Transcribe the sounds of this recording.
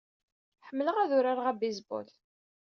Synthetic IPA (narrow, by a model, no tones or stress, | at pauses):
ħəmːələʁæðʊɾaɾʁæbizbo̰l